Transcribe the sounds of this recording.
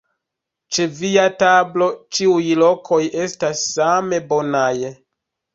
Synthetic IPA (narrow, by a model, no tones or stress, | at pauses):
t͡ʃe̞viatablo̞t͡ʃiujlo̞kʰo̞je̞stasːame̞bo̞naj